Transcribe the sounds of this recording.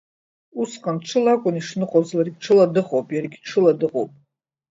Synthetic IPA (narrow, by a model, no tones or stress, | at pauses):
usqʼanʈ͡ʂʷʰɨlakʷʼʊniʂnɨqʼozlarɡʲʈ͡ʂʰɨladɨχowpʼjarɡʲʈ͡ʂʰɨladɨqʼowpʼ